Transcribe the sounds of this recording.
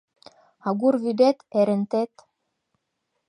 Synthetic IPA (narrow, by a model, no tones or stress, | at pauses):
ɑɣurβyd̪et̪eɾɘ̆nt̪et̪